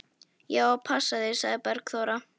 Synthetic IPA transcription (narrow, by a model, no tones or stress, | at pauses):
jaːapʰasːaðɪsa̰ɣðɪpɛɾkθoːwɾa